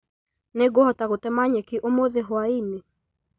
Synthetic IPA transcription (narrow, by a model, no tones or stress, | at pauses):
nɛɡɔhɔtaɣɔtɛmaɲɛkɪʔomoðeɦɔaini